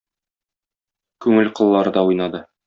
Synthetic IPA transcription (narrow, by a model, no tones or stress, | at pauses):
kʉŋɘlqŏlˠːɑɾɤ̆d̪ɑujnɑd̪ɤ